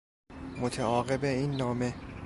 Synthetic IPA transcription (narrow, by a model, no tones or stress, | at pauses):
mot̪ʰeɒːɣebeiːnːɒːme̞